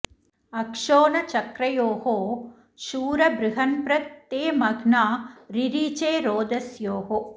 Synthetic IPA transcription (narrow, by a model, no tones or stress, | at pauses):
ɐkʂoːnɐt͡ʃɐkɾɐjoːɦoː | ʃuːɾɐbɾɪɦɐnpɾɐt̪ːeːmɐɡnaːɾiɾiːt͡ʃeːɾoːd̪ɐsjoːɦo